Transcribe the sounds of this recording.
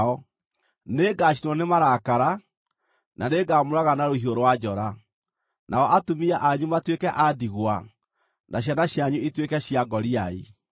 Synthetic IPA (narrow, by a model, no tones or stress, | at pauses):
ɔ | neɡaɕ̬inwɔnemaɾakaɾa | naneɡamoɾaɣanaɾohioɾowad͡ʑɔɾa | nʔaɔʔatomiaʔaɲumatwekɛʔadiɣwa | naɕ̬janaɕjaɲuitwekɛɕiaɡɔɾiai